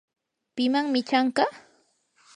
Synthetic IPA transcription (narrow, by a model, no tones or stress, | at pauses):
pɪmaŋmɪt͡ʃaɴɢɑ